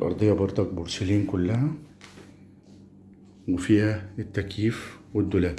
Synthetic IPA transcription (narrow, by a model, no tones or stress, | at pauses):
lʔɑ̰ɾˤd̪ˤejːɑbɑɾˤd̪ˤɑk̚bʊɾseliːnkʊlːæhæ | wefiːhæet̪ːækjiːfwɪd̪ːʊlæːl